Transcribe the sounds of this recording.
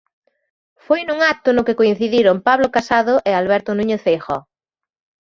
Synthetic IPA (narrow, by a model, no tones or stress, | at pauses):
fojnuŋak̚t̪ʊnʊkɪkoin̟θiðiɾompaβlokasaðʊʔɪalβ̞ɛɾt̪ʊnũɲeθejxɔ̰